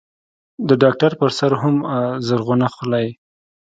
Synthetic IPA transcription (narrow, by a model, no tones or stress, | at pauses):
d̪əɖɑk̚ʈaɾpəɾsaɾɦamzəɾɣʊnaxʊlaj